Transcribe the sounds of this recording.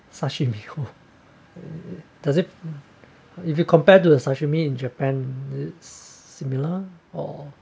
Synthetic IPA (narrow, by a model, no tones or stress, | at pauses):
saʃimiho | dazit | ifjukʰɔ̃mpɛt̬udəsaʃimiĩnd͡ʒəpɛ̃nɪtsːimiləɔ̰